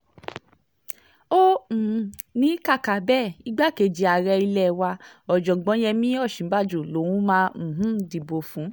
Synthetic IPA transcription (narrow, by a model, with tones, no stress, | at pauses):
õ˦˨ | nĩ˨˦ka˦˨ka˨bɛ˦˨i˦ɡ͡ba˦ke˨˧˨d͡ʒi˨˧a˨ɾɛ˧i˧lɛ˦˨wa˧ɔ˨d͡ʒɔ˨ɡ͡bɔ̃˨˦jɛ˧mĩ˦ɔ˦˨ʃĩ˨˦ba˦˨d͡ʒu˨lo˨˦wũ˦mã˧˦m̩˨ɦũ˦di˨bo˨fũ˨˦